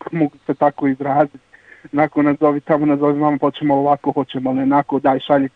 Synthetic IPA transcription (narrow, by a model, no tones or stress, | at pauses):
moɡuset̪akoizɾaːzit̪nakonazoʋit̪amonazoʋiʋamapot͡ɕemooʋakohot͡ɕemoalonakod̪aːjʃaʎe